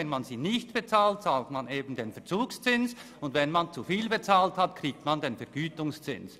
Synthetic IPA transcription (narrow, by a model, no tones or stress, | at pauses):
ɛnmanziːnɪçtb̥et͡saːlt̚t͡saːltmaneːbn̩denfɛɐt͡suːkst͡sɪns | ʊndvɛnmant͡sufiːlbet͡saːlthatkʰʁiːk̚tmandenfɛɐɡ̥yːtʊŋst͡sɪ̰ns